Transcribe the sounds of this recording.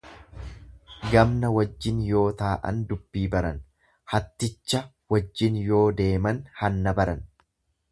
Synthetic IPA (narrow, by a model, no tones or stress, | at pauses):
ɡɐmnɐwɐd͡ʒːɪnjo̞ːt̪aːʔɐ̰nd̪ʊb̥ːiːbɐɾɐn | hɐt̪ːɪt͡ʃːɐ | wɐd͡ʒːɪnjo̞ːd̪e̞ːmɐnhɐnːɐbɐɾɐn